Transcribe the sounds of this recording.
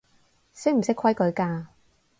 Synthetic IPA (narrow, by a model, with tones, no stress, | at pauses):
se˥m̩˨˩sɪ˥kʰwɐ˥jkɵ˨˧˥ɥkaː˧